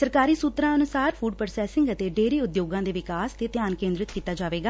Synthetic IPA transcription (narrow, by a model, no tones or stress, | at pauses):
səɾkaːɾiːsuːt̪ɾãːənʊsaːɾpʰuːɖpəɾsɛːsɪ̃ŋɡət̪eːɖeːɾiːʊd̪joːɡãːd̪eːʋɪkaːst̪eːt̪ɪjaːnkẽːnd̪ɾɪt̪kiːt̪aːd͡ʒaːʋeːɡaː